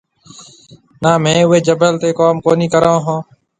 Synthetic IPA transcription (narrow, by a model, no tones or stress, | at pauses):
naːmɛ̃ːʊɦeːd͡ʒəbəlt̪eːkaːmkoːniːkəɾãːɦãː